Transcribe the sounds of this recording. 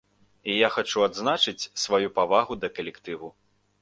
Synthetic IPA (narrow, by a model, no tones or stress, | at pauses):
ijaxat͡ʂuad̪znat͡ʂɨt͡sʲsvajupavaɣud̪ɐkɐlʲɛkt̪ɨvu